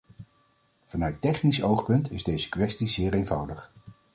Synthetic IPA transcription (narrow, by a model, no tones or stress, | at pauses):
v̥ɑnœɥtɛχnisowχpɵntɪzdejzə̥kʋɛstizɪːɹejnvɑwdəχ